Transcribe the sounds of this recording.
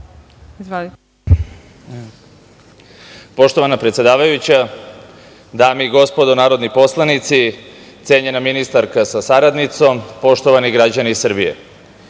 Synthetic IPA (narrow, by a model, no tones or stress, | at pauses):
izʋoli | po̞ʃt̪oʋanapɾet̪je̞d̪aːʋajut͡ɕa | d̪aːmiɡo̞spo̞d̪o̞naːɾo̞d̪nipo̞slˠanit̪sit̪se̞ːɲe̞naminist̪aɾkasasaɾad̪nit̪so̞mpo̞ʃt̪o̞ʋaniɡɾad͡ʑaniːsr̩bijḛ